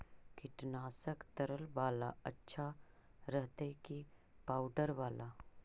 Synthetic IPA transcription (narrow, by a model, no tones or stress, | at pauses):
kɪʈnaːsəkt̪əɾəlʋaːlaɐtːʃʰaɾəɦt̪eki | paːʊɖəɾʋaːla